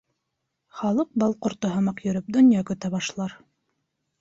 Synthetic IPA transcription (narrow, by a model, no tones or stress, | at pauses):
χɑlˠɤq̚bɑlˠqŏɾt̪oɦɤ̆mɑqjɵ̆ɾɵp̚d̪ŏnjɑkɵ̆t̪æβɑʃlˠɑɾ